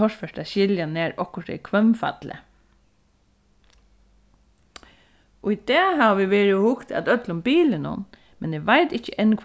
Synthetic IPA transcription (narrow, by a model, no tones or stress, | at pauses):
ɔʂfœʂʈaɕɪljanæːɹɔhkʊʂt̪ɛ̰kʰʋœmfa̰t̪lə̰ | ʊid̪ɛːɦaʋʋiʋeːɹɪɔhʊkt̪a̰t̪œt̪lʊmbiːlɪnʊ̰n | mɛneʋaɪt̪ɪt͡ʃəʔɛnkʰ